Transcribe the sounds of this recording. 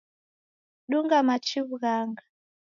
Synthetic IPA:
ɗuŋɡamat͡ʃiβuɣaːŋɡa

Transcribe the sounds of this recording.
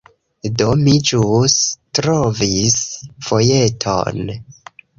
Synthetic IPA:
domid͡ʒustɾovisfo̞je̞tʰo̰n

